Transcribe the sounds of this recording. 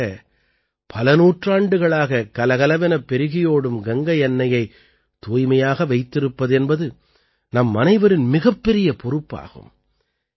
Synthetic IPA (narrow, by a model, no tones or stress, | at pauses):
ɐ | pʰɐlɐnuːʈraːɳɖɯɣɐɭaːɣɐkɐlɐɣɐlɐʋɐnɐpːɛɾɯɣɪjoːɽɯmɡɐŋɡɐjɛnːɐjɐɪ | t̪ːuːjmɐjaːɣɐʋɐɪt̪ːɪɾɯpːɐðɛnbɐðɯ | nɐmːɐnɐɪʋɐɾɪnmɪɣɐpːɛɾɪjɐpɔɾɯpːa̰ːɣɯ̰m